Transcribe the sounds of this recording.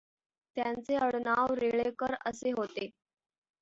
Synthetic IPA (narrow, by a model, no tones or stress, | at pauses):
t̪jant͡seəɽnaʋɾeɭekəɾəseɦot̪e